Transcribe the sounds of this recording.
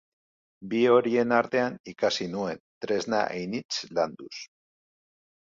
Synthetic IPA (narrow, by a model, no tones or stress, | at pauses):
bio̞ɾie̞naɾt̪e̞anikasinue̞nt̪ɾe̞zna̰ʔejnit͡sland̪us